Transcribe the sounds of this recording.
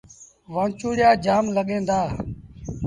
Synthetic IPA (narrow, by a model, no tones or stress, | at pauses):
ʋãːt͡ʃuːɽɪjaːd͡ʒaːmləɠẽːnd̪aː